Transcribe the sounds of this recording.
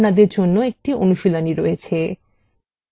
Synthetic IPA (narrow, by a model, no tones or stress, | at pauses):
nad̪eɾd͡ʑonːoek̚ʈiʔonuʃilaniɾoet͡ɕʰe